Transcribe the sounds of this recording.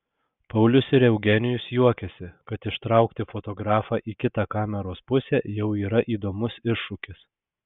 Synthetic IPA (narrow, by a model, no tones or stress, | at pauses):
pɐʊlʲʊsɪɾɛʊɡʲɛnʲɪjʊsjuɔkʲɛsʲɪkɐt̪ɪʃt̪ɾɑˑʊkt̪ʲɪfot̪oːɡɾɑːfɑːʔiːkʲɪt̪ɑːkɑːmʲɛɾoːspʊsʲɛːjɛʊiːɾɐʔiːd̪oːmʊsɪʃːʊkʲɪs